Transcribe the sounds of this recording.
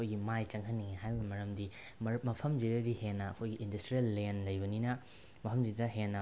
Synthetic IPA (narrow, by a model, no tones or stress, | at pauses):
kʰojɡimajt͡ʃɐŋɦɐnːiŋehajbɐmɐɾɐmdi | mɐpʰɐmzidɐdihenːɐːkʰojɡiʔːndɐstɾijelːenlɐjbɐninɐ | mɐpʰɐmzidɐɦenːɐ